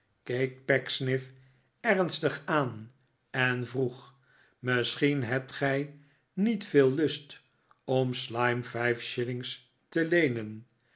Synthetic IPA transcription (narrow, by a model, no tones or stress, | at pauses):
kejk̚pɛksnɪf | ɛrnstəχaːn | ɛnvruχ | mɪsχinɦɛp̚tχɛj | nitfɪːlˠːɵst | ɔmslɑjmfɛjfʃɪlɪŋs | təlejnən